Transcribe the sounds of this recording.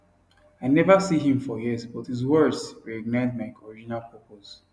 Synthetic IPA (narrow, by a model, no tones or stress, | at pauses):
aɪnɛvəsiɦĩmfɔjizbɔthizwɜ˞dzɹɛkɔɡ̚naɪdmaɪkʰɔɹid͡ʒnapʰɜpos